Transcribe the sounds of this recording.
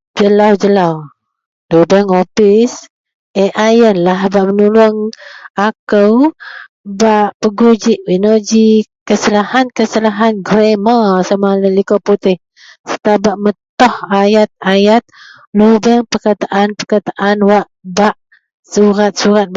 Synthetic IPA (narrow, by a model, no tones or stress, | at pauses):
d͡ʒəlawd͡ʒəlaw | dudəŋopis | eʔajənlaɦbaʔmənulʊŋakəw | baʔpəɡud͡ʒiʔwinod͡ʒikəsəlahankəsəlaɦanɡɾemasamaləlikoput̪ɪh | sə̥t̪abaʔmət̪ɔhajat̪̚ajat̪̚ | lubəŋpərkat̪aʔanpəkat̪aʔanwaʔbaʔ | suɾat̪̚suɾat̪̚